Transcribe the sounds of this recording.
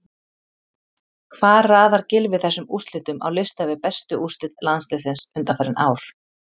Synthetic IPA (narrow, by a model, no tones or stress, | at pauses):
kʰvaːðɾraːðaɾ̥cɪlvɪðθɛsːʏmust̪lɪːt̪ʏma̰wlɪst̪avɪðpɛst̪ʏʔust̪lɪt̪lanslɪsɪnsʏnt̪afɛːɾɪnʔa̰ːwɾ̥